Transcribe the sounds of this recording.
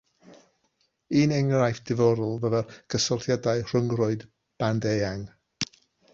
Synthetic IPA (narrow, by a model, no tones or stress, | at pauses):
iːnɛŋrajfd̥ɪvɔɾʊlˠvəvɛrɡʰəsɔlˠθjadaɨr̥əŋrʊɨd | b̥andeaŋ